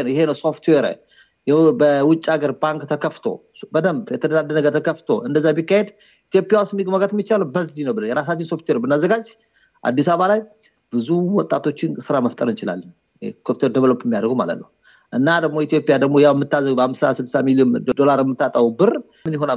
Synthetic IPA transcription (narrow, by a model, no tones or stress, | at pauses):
nəwjɪhe̞nəwso̞ft̪ʰweɾa̰j | jɛbəwʊt͡ʃʼːaɡəɾbaŋkt̪ʰəkʰəft̪ʰo̞̰ | bəd̪əmbjɛt̪ʰəd̪ədad̪ːənəɡət̪ʰəkəft̪ʰo̞̰ɨnd̪əzːabikːahe̞d̪ | it̪ijo̞pʼjawʊst̪mːiɡməɡət̪mːit͡ʃːaləwbəzːinəwbɨlənjɛɾas̬at͡ʃːɪnso̞ft̪weɾnbɨnːazːəɡad͡ʒ | ʔa̰d̪ːisaβalaj | b̥ɨzuwɔt̪ʼat̪ʰo̞t͡ʃːɪnsɨɾaməft̪ʼəɾnt͡ʃʼɪla̰lːən | kʰəft̪ʰwed̪əβəlopːjɛmːijad̪əɾɡoma̰lə̰t̪nəw | ʔɨnːad̪əɡ̚mo̞it̪jo̞pʼijad̪əɡmo̞jawɛmːɨt̪ːazːəɡbəhamsasɨlsamiljond̪o̞laɾjɛmːɨt̪ːat̪ʼəwubɨr | mɨnjɪɦo̞na